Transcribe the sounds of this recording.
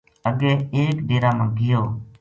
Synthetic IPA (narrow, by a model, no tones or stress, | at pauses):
əɠẽːeːkɗeːɾãːmãːɡʱɪjoː